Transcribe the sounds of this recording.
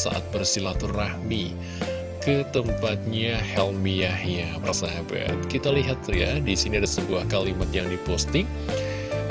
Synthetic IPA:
sa̰ʔa̰t̪̚bərsilat̪ʊrːahmi | kət̪əmpat̪̚ɲahɛlmiahjapərsaɦaba̰t̪̚kit̪aliɦat̪jadisiniadasəbuahkalimat̪jaŋdipɔst̪ɪŋ

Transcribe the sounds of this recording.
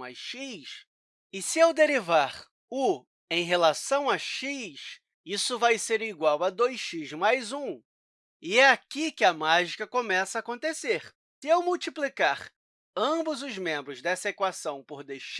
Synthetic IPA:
a̰jʃiʃ | ɪsɪewd̪eɾivaɾ | ʊ | ẽj̃ɦelasɐ̃w̃aʃiʃ | isʊvajseɾiɡwawɐd̪ojsʃizmajzũ | ɪɛakikɪɐmaʒikɐkõmɛsɐaːkõnt̪eseɾ | sɪewmuwt͡ʃiplikaɾ | ɐ̃bʊzʊzmẽmbɾʊzd̪ɛsɐekwasɐ̃w̃poɾd̪eʃ

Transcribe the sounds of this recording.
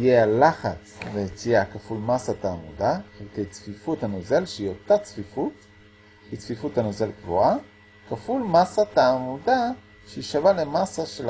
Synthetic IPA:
jealaχat͡svet͡sijakafulmasat̪aːmudaχelkejt͡sfifuthanozelʃeio̞t̪at͡sfifut | hit͡sfifuthanozelkvua | kafulmasataːmuda | ʃeiʃavalemasaʃel

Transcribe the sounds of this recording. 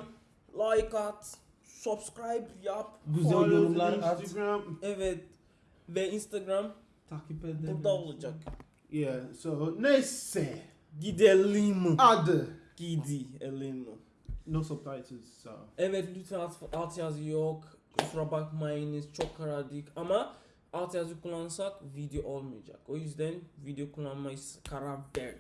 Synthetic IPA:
lajkat | sɔbskɹajbjabɡuzɛlaɡɹamɛvɛ | vɛĩnstaɡɾãm | tʰakipɛdud̪ald͡ʒak | jɛsonɛsɛ | ɡidiɛlimuadəɡ̥idiɛlimu | nosɔptajtʰuso̰ɛvɛd̪ut̪ʰiaat̪ʰiazijɔk | sɾabakmajnist͡ʃʰɔkʰːaɾadikama | at̪ʰiazikulˠansakvid̪ioʔɔlˠmijad͡ʒa̰kojuzd̪ɛnvid̪iokulanmajiskʰaɾavdɛɾ

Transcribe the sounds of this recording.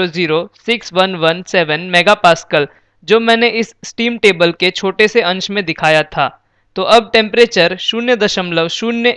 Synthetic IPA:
oziːɾosɪksʋɐnʋɐnsɛːʋənmɛːɡapaːskəl | d͡ʒoːmɛ̃ːneʔɪssʈiːmʈeːbəlket͡ʃʰoːʈeseɐ̃ɲt͡ʃmẽd̪ɪkʰaːjat̪ʰaː | t̪oʔɐb̚ʈɛ̃ːmpɾeːt͡ʃəɾʃuːnjəd̪ɐʃəmləʋʃuːnjə

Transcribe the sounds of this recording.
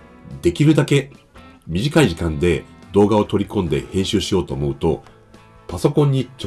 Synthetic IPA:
d̪e̞kʲiɾɯ̟d̪ake̞ | mʲiʑikaiʑikãnd̪e̞d̪o̞ːɡao̞t̪o̞ɾʲikõ̞nd̪e̞̰hẽ̞ːɕɨːɕijo̞ːt̪o̞ːmo̞ɯ̟t̪o̞ | paso̞kõ̞ɲ̟ːit͡ɕo

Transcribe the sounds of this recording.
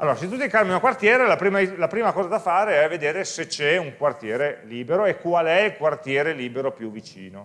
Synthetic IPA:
alːoːɾaset̪ut̪ikarmiakwart̪jeːɾelapɾiːmalapɾiːmakɔːzad̪afaːɾeɛved̪eːɾeset͡ʃɛuŋkwart̪jeːɾeliːbeɾoekwalɛilkwart̪jeːɾeliːbeɾopjuvːit͡ʃḭːno

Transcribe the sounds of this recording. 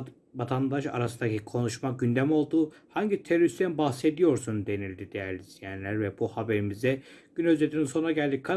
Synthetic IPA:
vat̪ʰand̪aʃa̰ɾasɯnd̪acʰikʰo̞nuʃmaɟynd̪æmo̞lˠd̪uː | haɲɟit̪ʰeɾoɾist̪ʰænbahse̞d̪ijo̞ɾsund̪e̞nilʲd̪id̪ejæɾlʲizijænlʲæɾvɛbuhabe̞ɾimizd̪ɛɟ̥ynøzd͡ʒet̪ʰininso̞naɟælʲd̪ikʰa

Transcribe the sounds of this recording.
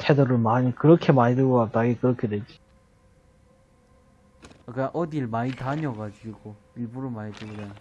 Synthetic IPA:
tʰedʌɾɯɭmaɲikɯɾʌkʰe̞maɲidɯɡokak̚t͈aɡekɯɾʌkʰedwed͡ʑi | ak͈aʔʌdiɭmaitaɲʌɡad͡ʑiɡo | iɭbuɾomaɲiteɡoda

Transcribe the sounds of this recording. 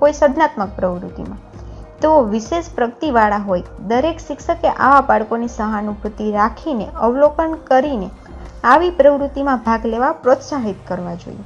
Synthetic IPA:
koisəd̪nat̪mək̚pɾəʋɾṵt̪ḭmãt̪eoʋiʃeʃpɾəɡət̪iʋaɭaɦojd̪əɾekʃɪkʃəkeʔa̰ʋabaɭkonisəɦanubʱut̪iɾakʰineəʋlokənkəɾine | aʋipɾəʋɾut̪imãbʱaɡleʋapɾot̪saɦit̪kəɾʋad͡ʒo̰ḭe

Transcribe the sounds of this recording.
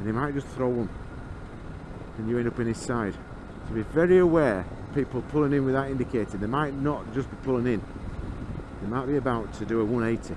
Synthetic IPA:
ə̃nimaɪt̚d̥ʒ̥ʌsθɹoʊwə̃m | ɨ̃njɨɛ̃ndʌpɨ̃nɪz̥saɪd̥ | tʰəbivɛɹiəwɛː | pʰiˑpl̩ˠpʰʊlˠɪ̃ŋɪ̃nwɨðəɾɪ̃ndɨkʰeɪtə˞ðeɪmaɪʔⁿnəʔ̚d̥ʒ̥ʌsb̥ipʰʊlˠɪ̃ŋɪ̃n | ðeɪmaɪʔ̚b̥iɨbaʊtʰɨdɨəwʌ̃neɪtʰɨ

